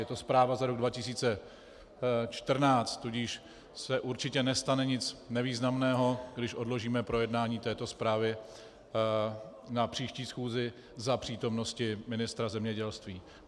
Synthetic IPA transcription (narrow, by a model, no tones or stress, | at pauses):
jɛt̪o̞spɾaːvazaɾo̞ɡ̚dvacɪsiːt͡sɛ | t͡ʃt̪r̩naːt͡st̪ːuɟiʃ | sɛʔuɾt͡ʃɪcɛnɛst̪anɛɲɪt͡snɛviːznamnɛːɦo̞ɡdɪʃʔo̞dlo̞ʒiːmɛpɾo̞jɛdnaːɲiːt̪ɛːt̪o̞spɾaːvɪ | napr̝̥iːʃciːsxuːzɪ | zapr̝̥iːt̪o̞mno̞scɪmɪnɪst̪ɾazɛmɲɛɟɛlst̪viː